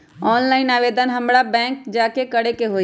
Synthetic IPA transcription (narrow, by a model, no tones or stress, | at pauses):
ɔːnlaːɪnaːʋeːd̪ʱənɦəmɽabɛ̃ːŋkd͡ʒaːkekəɽekeɦoː